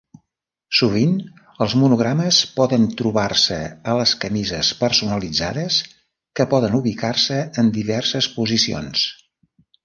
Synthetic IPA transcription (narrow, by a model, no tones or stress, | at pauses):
suβ̞in | əlˠzmunuɣɾaməspɔðənt̪ɾuβarsə̰ələskəmizəspəɾsunəlid͡za̰ðəs | kəpɔðənuβikarsəənd̪iβɛrsəspuzisio̰ns